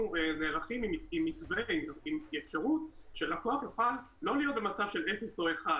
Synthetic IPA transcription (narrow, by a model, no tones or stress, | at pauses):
uneːʁaχimimimːit͡sveimimjefʃaʁutʃelakoaχjofal | lo̞lijo̞t̪̚bemat͡sav̥ʃelefesoeχa